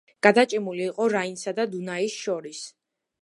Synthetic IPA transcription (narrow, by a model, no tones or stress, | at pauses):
ɡ̥ad̪at͡ʃʼɛmuliːqʼɔɾainsad̪ad̪unaisʃɔɾis